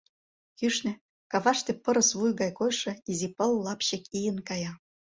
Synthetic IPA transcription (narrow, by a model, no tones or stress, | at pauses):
kyʃnĕ | kɑvɑʂt̪ĕpɤ̆ɾɤ̆sβujɣɑjkojʂɤ̆izʲipɤ̆lːɑpɕĕkʲijə̆nkɑjɑ